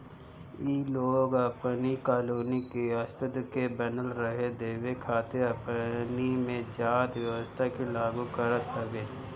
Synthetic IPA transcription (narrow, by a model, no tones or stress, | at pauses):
iːloːɡəpnikaːluːnikeɐst̪ʊd̪kebənəlɾəɦed̪eːwekʰaːt̪eɐpnimẽd͡ʒaːd̪wjɐwəst̪ʰakilaːɡũkəɾət̪ɦəɡeː